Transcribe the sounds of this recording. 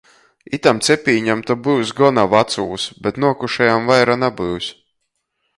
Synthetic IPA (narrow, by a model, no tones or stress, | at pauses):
it̪amt̪sɛpʲiːɲamt̪abɨwsɡɔnavat̪suːsbɛt̪nuɔkuʃɛjamvajɾanabɨws